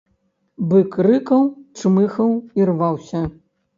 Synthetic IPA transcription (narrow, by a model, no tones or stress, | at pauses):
bɨkrɨkɐwt͡ʂmɨxɐwirvawsʲɐ